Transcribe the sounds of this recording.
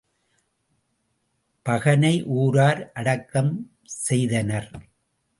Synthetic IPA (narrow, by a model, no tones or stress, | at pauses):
pɐɣɐnɐɪʔuːɾaːɾʔɐɽɐkːɐm | sɛjðɐnɐɾ